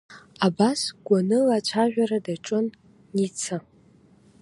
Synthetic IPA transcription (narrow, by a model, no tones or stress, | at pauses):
abasɡʷanɨlat͡ʃʷʰaʒᶣʷaɾadaʈ͡ʂʼɨnː | it͡sʰɨ